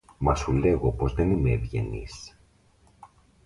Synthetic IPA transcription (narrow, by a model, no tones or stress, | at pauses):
mɐsule̞ɣo̞po̞zðe̞nimeːvʝe̞̰nḭs